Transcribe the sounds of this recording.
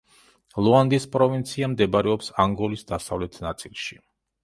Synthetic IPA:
lˠɔand̪ispʼɾɔvint̪sʰiamd̪ɛbaɾɛɔpsaŋɡɔlisd̪asavlɛt̪ʰnat̪sʼilˠʃi

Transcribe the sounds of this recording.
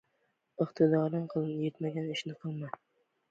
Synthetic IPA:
ɨqt̪ʰɪd̪ɒɾɪnqʰɨlˠnjet̪maɡʲanɪʃnɪqʰɨlˠma

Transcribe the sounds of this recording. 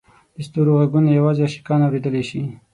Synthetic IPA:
d̪̥əst̪uɾoɣaɡunajawɑzeaʃi̥kɑnawɾed̪əleʃi

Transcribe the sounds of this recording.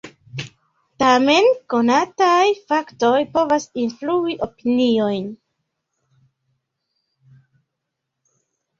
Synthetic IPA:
tame̞nko̞natajfakto̞jpo̞vasinfluiʔo̞pinio̞jn

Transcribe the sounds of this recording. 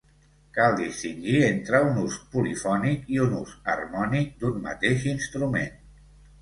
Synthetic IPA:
kalˠd̪ist̪iŋʒient̪ɾəunuspulifɔnikiunusə̰rmɔnik̚d̪unmə̰t̪eʃinst̪ɾumḛn

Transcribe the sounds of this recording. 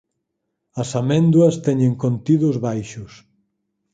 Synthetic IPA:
ɐsamɛ̃nd̪uɐst̪ɛɲeŋkont̪iðʊzβajʃʊs

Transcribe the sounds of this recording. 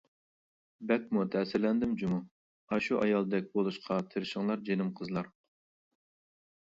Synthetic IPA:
bɛk̚mut̪ʰɛsɪɾlɛnd̪ɪmd͡ʒumu | ɑʃuʔɑjɑlˠd̪ɛk̚ʲbolˠuʃqʰɑt̪ʰɪɾɪʃɪŋlˠɑɾd͡ʒenɪmqʰəzlˠɑɾ

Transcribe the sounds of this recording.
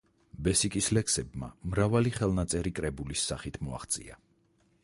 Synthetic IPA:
bɛsikʼislɛksɛbma̰mɾavaliχɛlˠnat̪sʼɛɾikʼɾɛbulisːaχit̪ʰmɔa̰χt̪sʼḭa̰

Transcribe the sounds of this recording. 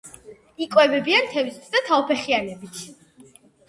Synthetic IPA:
ikʼwɛvɛbiant̪ʰɛvist̪ʰd̪at̪ʰaɔpʰɛχianɛbit̪ʰ

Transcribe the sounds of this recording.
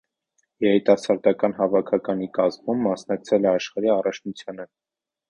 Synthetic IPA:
jɛɾit̪ɑsɑɾd̪ɑkɑnɦɑvɑkʰɑkɑnikɑzmumːɑsnɑk̚t͡sʰɛlɛɑʃχɑɾiɑrɑt͡ʃʰnut͡sʰjɑnə

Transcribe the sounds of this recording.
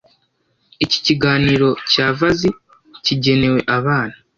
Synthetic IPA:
ici̥ciɡaːniːɾo̞caːvazi | ciɟe̞ne̞we̞ʔaβaːna

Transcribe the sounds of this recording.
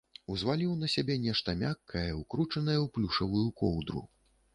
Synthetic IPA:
uzvalʲiwnɐsʲabʲɛnʲɛʂt̪ɐmʲakːɐjɐukɾut͡ʂɐnɐjɐwplʲuʂɐvujukɔwd̪ɾṵ

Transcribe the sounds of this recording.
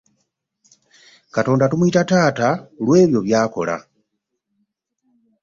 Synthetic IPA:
kato̞ːndatumuitataːtalwe̞ːβjo̞βjaːko̞̰la̰

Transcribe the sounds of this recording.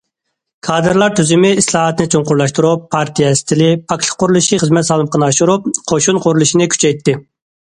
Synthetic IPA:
kʰɑːd̪ɨɾlˠɑɾt̪ʰyzɪmɪislˠɑːɦɑt̪nɪt͡ʃʰoɴqʊɾlˠɑʃt̪uɾupʰːɑɾt̪ʰijɛsɪ̥t̪ʰɪlɪpʰɑkʲʰʃʰə̥qʰːʊɾulˠuʃiχəzmɛt̪sɑːlˠɨmqʰənɨɑʃuɾup̚qʰoʃunqʰʊɾulˠuʃinɪkʲʰy̥t͡ʃʰɛjt̪ʰːɪ

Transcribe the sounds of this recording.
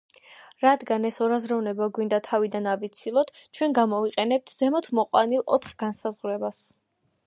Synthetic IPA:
ɾad̪ɡanɛsɔɾazɾavnɛbaɡwind̪at̪ʰavid̪anavit̪sʰilˠɔt̪ʰt͡ʃʰwɛnɡamɔviqʼɛnɛp̚t̪ʰz̥ɛmɔt̪ʰmɔqʼwa̰nilˠɔ̰t̪χɡ̥ansazʁɾɛbas

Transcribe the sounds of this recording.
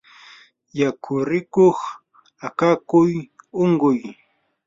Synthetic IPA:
jakʰʊɾɪkoχ | akakʊjoɴɢʊj

